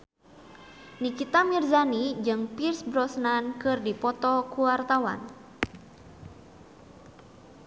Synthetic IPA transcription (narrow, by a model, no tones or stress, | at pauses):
nikit̪amirzanid͡ʒɨŋpirsbɾɔsnankɨrdipɔt̪ɔkuwart̪awa̰n